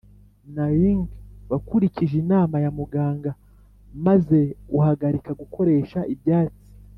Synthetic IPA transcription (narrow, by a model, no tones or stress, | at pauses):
najiŋɡβakuɾiciʒinaːmajamuɡaːŋɡa | maze̞uhaɡaɾikaɡukʰo̞ɾe̞ːʃaʔibjaːt͡si̥